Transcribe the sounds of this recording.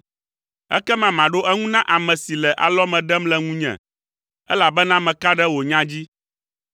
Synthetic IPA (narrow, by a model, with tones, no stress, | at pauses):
ɛ̰˦kɛ˦mã˨mã˨ɖo˦ʔɛ˦ŋũ˦nã˦ʔa˨mɛ̃˨si˨lɛ˨ʔa̰˨lɔ˦mɛ̃˨ɖɛ˦mlɛ˦ŋũ˦ɲɛ̰̃˨ | ɛ˦la˨bɛ˦nã˦mɛ̃˨ka˦ɖɛ˦wo˨ɲã˦d͡ʑi˦